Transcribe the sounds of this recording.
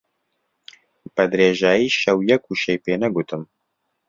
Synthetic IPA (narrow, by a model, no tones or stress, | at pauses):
bɛd̪ɾeːʒaːjiːʃɛwjɛkuʃejpeːnɛɡut̪ɨm